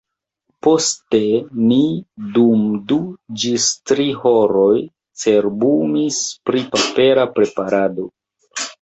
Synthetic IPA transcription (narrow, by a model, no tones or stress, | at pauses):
po̞ste̞nidumdud͡ʒistɾihoɾo̞j | t͡se̞ɾbumispɾipape̞ɾapɾe̞paɾado̞